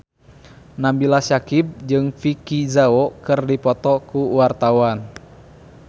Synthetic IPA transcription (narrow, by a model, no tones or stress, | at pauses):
nambilasakib̚d͡ʒɨŋfikizaɔkɨrdipɔt̪ɔkuwart̪awan